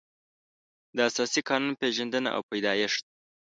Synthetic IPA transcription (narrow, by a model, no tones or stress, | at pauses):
d̪əasɑsikɑnunpeʒand̪əna̰ʔa̰wpajd̪ɑjɪʂd̪̚